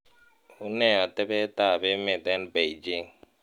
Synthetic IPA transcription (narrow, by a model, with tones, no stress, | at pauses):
u˦nɛ˦˨a˨tɛ˦bɛ˦ta˦˨be˦me˨tɛ˦nbe˨d͡ʒi˦ŋ